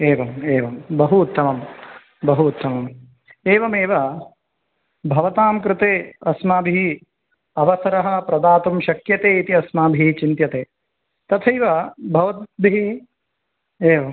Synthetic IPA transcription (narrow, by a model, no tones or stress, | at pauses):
eːʋɐmeːʋɐmbɐɦuːt̪ːɐmɐm | bɐɦuːt̪ːɐmɐm | eːʋɐmeːʋɐ | bʱɐʋɐt̪aːmkɾɪt̪eːɐsmaːbʱi | ɐʋɐsɐɾɐɦɐpɾɐd̪aːt̪umʃɐkjɐt̪eːit̪iɐsmaːbʱit͡ʃint̪jɐt̪eː | t̪ɐt̪ʰɐjʋɐbʱɐʋɐt̪̚bʱii | eːʋɐm